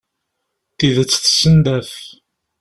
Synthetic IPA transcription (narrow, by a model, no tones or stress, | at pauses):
θiðət͡sːθsənd̪æθ